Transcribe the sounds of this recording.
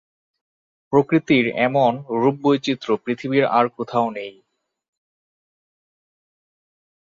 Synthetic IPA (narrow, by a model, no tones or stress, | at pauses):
pɾokɾit̪iɾɛ̰monɾubːojt͡ɕit̪ːɾopɾit̪ʰibiɾa̰ɾkot̪ʰaonej